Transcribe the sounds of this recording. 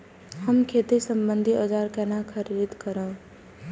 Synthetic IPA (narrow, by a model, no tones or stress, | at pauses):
həmkʰet̪isə̃mbə̃nd̪ʱiɔd͡ʒaːɾkɛːnakʰəɾiːd̪kəɾə̃